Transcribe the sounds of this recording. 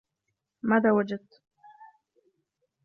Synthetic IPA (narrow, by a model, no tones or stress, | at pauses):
maðaːwad͡ʒad̪̚t̪